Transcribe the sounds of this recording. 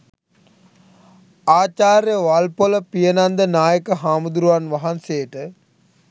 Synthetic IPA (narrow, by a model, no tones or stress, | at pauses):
aːt͡ʃaːɾjəʋalpoləpijənand̪ənaːjəkəɦaːmud̪uɾuʋanʋaɦansejəʈə